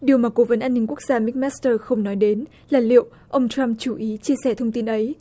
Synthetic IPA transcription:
ɗi˨˩əwmaː˨˩ko˨˦və˨˦nʔaː˧nːï˧ŋ̟ku˦˥ək̚z̥aː˧mi˦˥k̚mɛ˦˥st̪əː˧xə˧wŋ͡mnɔ˨˦jɗe˨˦n | laː˨˩lḭ˧˨ə˨wʔ | ʔə˧wŋ͡mt͡ɕa˧mt͡ɕu˧˩ʔi˨˦t͡ɕi˧əsɛ˧˩t̪ʰə˧wŋ͡mt̪i˧nʔə˨˦j

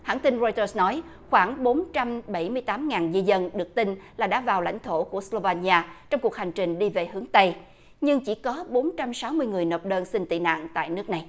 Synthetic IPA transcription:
haː˧˥nt̪i˧nzɔ˧jt̪əː˧snɔ˨˦j | xwaː˧˩ŋɓo˨˦nt͡ɕa˧mɓa˧˩jmɨ˧əjt̪aː˨˦mŋaː˨˩nzi˧zə˧nɗɨ˨˩ək̚t̪ï˧nlaː˨˩ɗa̰ː˧˥vaː˨˩wla̰˧˥jŋ̟t̪ʰo˧˩ku˧˩əslo˧vaː˧ni˧aː˧t͡ɕɔ˧wŋ͡mku˨˩ək̚ha˨˩jŋ̟t͡ɕï˨˩ŋ̟ɗi˧ve˨˩hɨ˨˦əŋt̪ə˧j | ɲɨ˧ŋt͡ɕi˧˩kɔ˨˦ɓo˨˦nt͡ɕa˧msa˨˦wmɨ˧əjŋɨ˨˩əjno˨˩p̚ɗəː˧nsï˧ŋt̪ḭ˧˨na̰ː˧˨ŋt̪a̰ː˧˨jnɨ˦˥k̚na˨˩j

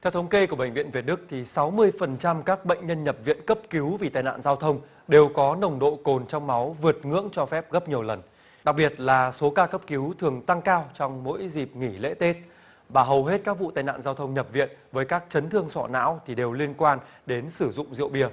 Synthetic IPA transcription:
t̪ʰɛ˧wtʰə˨˦wŋ͡mke˧ku˧˩əɓə̰˧˨ŋ̟vḭ˧˨ənvi˨˩ət̚ɗɨ˦˥k̚t̪ʰi˨˩sa˨˦wmɨ˧əjfə˨˩nt͡ɕa˧mkaː˦˥k̚ɓə̰˧˨jŋ̟ɲə˧nɲə˨˩p̚vḭ˧˨ənkə˦˥p̚ki˨˦wvi˨˩t̪aː˨˩jna̰ː˧˨nzaː˧wt̪ʰə˧wŋ͡m | ɗe˨˩wkɔ˨˦nə˨˩wŋ͡mɗo̰˧˨ko˨˩nt͡ɕɔ˧wŋ͡mma˨˦wvɨ˨˩ət̚ŋɨ̰˧˥əŋt͡ɕɔ˧fɛ˦˥p̚ɣə˦˥p̚ɲ˨˩əwlə˨˩n | ɗa˨˩k̚ɓi˨˩ət̚laː˨˩so˨˦kaː˧kə˦˥p̚ki˨˦wt̪ʰɨ˨˩əŋt̪a˧ŋkaː˧wt͡ɕɔ˧wŋ͡mmo̰˧˥jzi˨˩p̚ŋi˧˩lḛ˧˥t̪e˦˥t̚ | ɓaː˨˩ɦə˨˩wɦe˦˥t̚kaː˦˥k̚vṵ˧˨t̪aː˧˩jna̰ː˧˨nzaː˧wt̪ʰə˧wŋ͡mɲə˨˩p̚vḭ˧˨ənvəː˨˦jkaː˦˥k̚t͡ɕə˨˦nt̪ʰɨ˧əŋsɔ̰˧˩na̰ː˧˥wt̪ʰi˨˩ɗe˨˩wli˧ənkwaː˧nɗe˨˦nsɨ˧˩zʊ̰˧˨ŋ͡mzḭ˧˨əwɓi˧˩ə

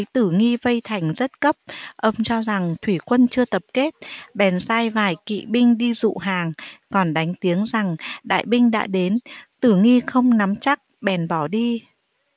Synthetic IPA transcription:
ə˨˦jt̪ɨ˧˩ŋi˧və˧jt̪ʰa˨˩jŋ̟zə˦˥t̚kə˦˥p̚ʔə˧wŋ͡mt͡ɕɔ˧za˨˩ŋt̪ʰwi˧˩kwə˧nt͡ɕɨ˧ət̪ə˨˩p̚ke˦˥t̚ɓɛ˨˩nsaː˧jvaː˨˩jkḭ˧˨ɓï˧ŋ̟ɗi˧zṵ˧˨ɦaː˨˩ŋkɔ˨˩nɗa˨˦jŋ̟t̪i˨˦əŋza˨˩ŋɗa̰ː˧˨jɓï˧ŋ̟ɗa̰ː˧˥ɗe˨˦nt̪ɨ˧˩ŋi˧xə˧wŋ͡mna˨˦mt͡ɕa˦˥k̚ɓɛ˨˩nɓɔ˧˩ɗi˧

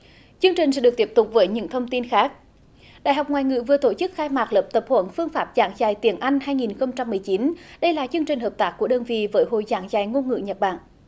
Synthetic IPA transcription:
t͡ɕɨ˧əŋt͡ɕï˨˩ŋsɛ̰˧˥ɗɨ˨˩ət̪i˦˥əp̚t̪ʊ˨˩k͡p̚vəː˨˦jɲɨ̰˧˥ŋt̪ʰə˧wŋ͡mt̪i˧nxaː˦˥k̚ | ɗa̰ː˧˨jɦa˨˩wk͡p̚ŋwaː˨˩jŋɨ̰˧˨vɨ˨˩ət̪o˧˩t͡ɕɨ˦˥k̚xaː˧jmaː˨˩k̚ləː˨˩p̚t̪ə˨˩p̚hwə̰˧˦nfɨ˧əŋfaː˦˥p̚zaː˨˩˦ŋzaː˨˩jt̪i˨˩˦ənʔa˧jŋ̟ɦaː˧jŋi˨˩nxə˧wŋ͡mt͡ɕa˧mːɨ˨˩əjt͡ɕi˨˦nɗə˧jlaː˨˩t͡ɕɨ˧əŋt͡ɕï˨˩ŋ̟ɦəː˨˩p̚t̪aː˦˥k̚ːu˧˩əɗəː˧nvḭ˧˨vəː˨˦jɦo̰˧˨jzaː˨˦ŋzaː˨˩jŋo˧nŋɨ̰˧˨ɲə˨˩t̚ɓa̰ː˧˨n

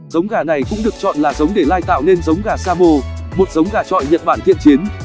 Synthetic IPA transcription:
zə˨˦wŋ͡mɣaː˨˩na˨˩jkʊ̰˧˥ŋ͡mɗɨ˨˩ək̚t͡ɕɔ̰˧˨nlaː˨˩zə˨˦wŋ͡mɗe˧˩laː˧jt̪a̰ː˧˨wne˧nzə˨˦wŋ͡mɣaː˨˩saː˧mo˧mo˨˩t̚zə˨˦wŋ͡mɣaː˨˩t͡ɕɔ̰˧˨jɲə̰˧˨n̚ɓaː˧˩nt̪ḭ˧˨ənt͡ɕi˨˦ən

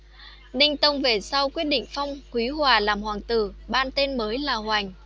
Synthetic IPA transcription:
nï˧ŋ̟t̪ə˧wŋ͡mve˨˩sa˧wkwi˦˥ət̚ɗḭ˧˨ŋ̟fa˧wŋ͡mkwi˨˦ɦwaː˨˩laː˨˩mhwaː˨˩ŋt̪ɨ̰˧˩ɓaː˧nt̪e˧nməː˨˦jlaː˨˩hwa˨˩jŋ̟

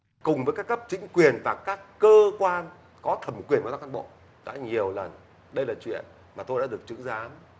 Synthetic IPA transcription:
kʊ˨˩ŋ͡mvəː˨˦jkaː˦˥kːə˦˥p̚t͡ɕï˨˦ŋ̟kwi˨˩ənvaː˨˩kaː˦˥kːəː˧kwaː˧n | kɔ˨˦t̪ʰə˨˩m˨˩kwi˨˩ənmaː˨˩a˦˧ʔa˧˩ɓo̰˧˨ | ɗa̰ː˧˥ɲi˨˩əwlə˨˩n | ɗə˧jlaː˨˩t͡ɕwḭ˧˨ən | maː˨˩t̪o˧jɗa̰ː˧˥ɗɨ˨˩ək̚t͡ɕɨ̰˧˥zaː˨˦m

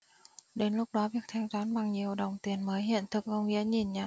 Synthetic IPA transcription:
ɗe˨˦nlʊ˦˥k͡p̚ɗɔ˨˦vi˨˩ək̚t̪ʰɛ˧wzaː˨˦nɓa˨˩ŋɲi˨˩əwɗə˨˩wŋ͡mt̪i˨˩ənməː˨˦jɦḭ˧˨ənt̪ʰɨ˨˩k̚kə˧wŋ͡mŋḭ˧˥əɲi˨˩nɲaː˨˩

